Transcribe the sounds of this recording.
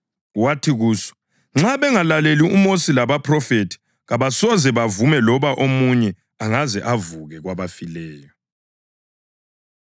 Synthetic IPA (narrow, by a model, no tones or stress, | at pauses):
watʰiɣuːsɔ̥ | ŋ͡ǁaβɛŋalaleliumosilaβapʰʼrɔfetʰi̥ | ɣaβasɔzɛβavumɛlɔβaʔomuɲɛ | aŋazɛʔavuɣɛɣwaβafilɛːjɔ